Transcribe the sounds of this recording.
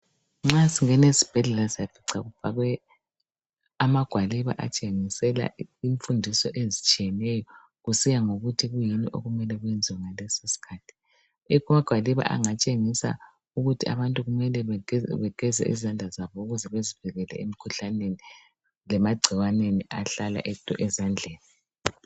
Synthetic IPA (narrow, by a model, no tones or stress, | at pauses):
ŋ͡ǁasiŋɛnezib̥ʱɛɮɛlaziab̥ʰʱiǀaɣuv̥ʱaɣwɛ | amaɡ̥ʱwaliβa̰ʔat͡ʃʼeŋisɛla̰iɱfundʱisɔʔezit͡ʃʼijɛnɛjɔ | ɣusijaŋoɣutʰiɣujiniʔo̰ɣumɛlɛɣwjɛnd͡zʱiwaŋalɛsosi̥kʰaːtʰi̥ | ɛkumaɡ̥ʱwaliβa̰ʔa̰ŋat͡ʃʼeŋisa̰ | uɣutʰia̰βantʼuɣumɛlɛβɛɡ̥ʱɛzɛ̰ʔḭzand͡ɮʱazaβɔuɣuzɛβeziv̥ʱiɣɛlɛ̰emikʰuɬaneni | lɛmaɡ͡ǀʱiwaneniʔaɬala̰ʔɛtʰʼuʔɛzand͡ɮʱeːni